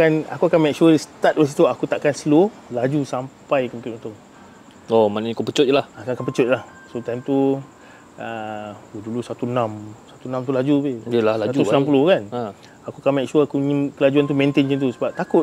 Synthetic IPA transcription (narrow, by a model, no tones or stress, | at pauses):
kana̰kuakanmɛk̚ʃuəst̪at̚wəs̬it̪uakut̪aʔkansəlo | lad͡ʒusampajkəmkɾitʔunt̪ʊŋ | omanaɲkopət͡ʃʊt̪̚lahakakanpət͡ʃʊt̪̚lah | sot̪ajmt̪u | əudulusat̪unãmsat̪unãmt̪̬ulad͡ʒubeəlalasad͡ʒ̪unãmpulʊkan | akuakanmɛk̚ʃuəakuɲkəlad͡ʒuant̪̬umẽnt̪eɲəŋt̪usəbap̚t̪akʊt